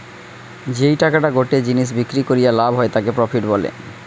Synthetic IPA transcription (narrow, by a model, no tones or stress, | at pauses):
d͡ʑejʈakaʈaɡoʈed͡ʑiniʃ̬bikɾikoɾijalabʱɦɔet̪akepɾɔfʰiʈbɔlḛ